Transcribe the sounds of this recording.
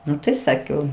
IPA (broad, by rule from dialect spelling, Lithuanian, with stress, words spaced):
ˈnʊ tɐɪ ˈsɑːkʲɛʊ